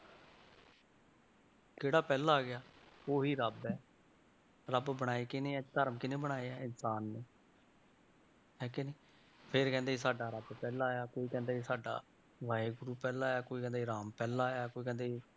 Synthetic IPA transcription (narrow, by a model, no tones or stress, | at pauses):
keːɽaːpɛːlaːɡɪjaːoːɦiːɾəbɛː | ɾəbbəɽ̃aːiːkɪneːɛːt̪əɾmkɪneːbəɽ̃aːeːɛːɪnsaːnːeː | ɛːkeneː | pʰɪɾkɛ̃ːnd̪eːiːsaːɖaːɾəbpɛːlaːjaːkoːiːkɛ̃ːnd̪aːiːsaːɖa̰ː | ʋaːeːɡʊɾuːpɛːlaːaːkoːiːkɛ̃ːnd̪eiɾaːmpɛːlaːjaːkoːiːkɛ̃ːnd̪eːɦiː